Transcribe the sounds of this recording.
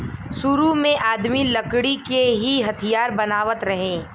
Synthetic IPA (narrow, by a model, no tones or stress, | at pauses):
sʊɾumẽʔaːd̪milɐkɽikeɦiɦɐt̪ʰijaːɾbɐnaːʋət̪ɾɐɦẽː